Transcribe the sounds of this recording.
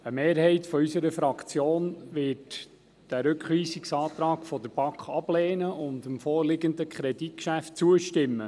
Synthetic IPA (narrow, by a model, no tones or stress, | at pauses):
əmeːɾhɛɪtfɔysəɾəfɾɑkt͡sjoːnʋɪːt | d̥æɾʉkχʋiːsiksɑːt̪ɾɑːɡfɔd̥əɾb̥ɑkχɑb̥lɛːnəʊndəmfɔːrlɪɡənd̪əkχɾɛdit̚kʃæft̚t͡suəʃtɪmːə